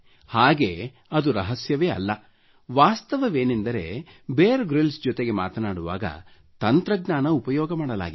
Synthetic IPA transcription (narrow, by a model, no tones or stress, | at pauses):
haːɡeː | ɐd̪uɾɐɦɐsjɐʋeːɐ̰lːɐ | ʋaːst̪ɐʋɐʋeːnind̪ɐɾe̞̰ | beːɾeɡɾilsd͡ʒɔt̪eɡe̞maːt̪ɐnaːɽuʋa̰ːɡɐ̰ | t̪ɐnt̪ɾɐɡnaːnɐupɐjɔːɡɐmaːɽɐla̰ːɡi